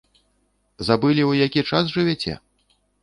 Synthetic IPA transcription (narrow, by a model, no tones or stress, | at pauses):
zabɨlʲiwjakʲit͡ʂas̬ʐɨvʲɛt͡sʲɛ̰